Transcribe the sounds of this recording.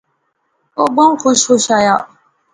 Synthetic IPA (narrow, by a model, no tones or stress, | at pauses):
oɡ͡bɔŋkuʃoʃaja